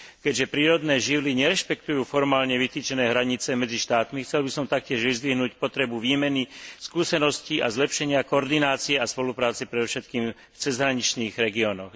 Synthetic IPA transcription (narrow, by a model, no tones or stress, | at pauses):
kɛɟʒɛpɾiːɾɔd̪nɛːʒiʋliɲɛɾɛʃpɛkt̪ujuːfɔɾmaːlɲɛʋit̪iːt͡ʃɛnɛːɦɾaɲit͡sɛmɛd͡ziʃt̪aːt̪mixt͡sɛlbisɔmt̪ak̚cɪɛʒʋizd̪ʋiɦnuːcpɔt̪ɾɛbuʋiːmɛniskuːsɛnɔsciʔazlɛpʃɛɲɪakɔɔɾd̪inaːt͡siɛaspɔlupɾaːt͡sɛpɾɛd̪ɔfʃɛt̪̚kiːm | ft͡sɛzɦɾaɲit͡ʃniːɣɾɛɡiɔːnɔx